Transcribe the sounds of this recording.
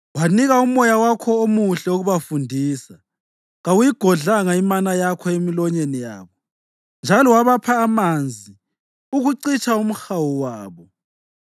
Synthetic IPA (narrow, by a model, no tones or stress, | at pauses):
waniɣaumɔjawakʰɔomuɬɛoɣuβafundʱiːsa | ɣawujiɡ̥ʱɔɮaŋaimanajakʰɔemilɔɲenija̰ːβɔ | nd͡ʒʱalɔwaβapʰaːmand͡zʱi | uɣuǀit͡ʃʰʼaum̩xawuwaːβɔ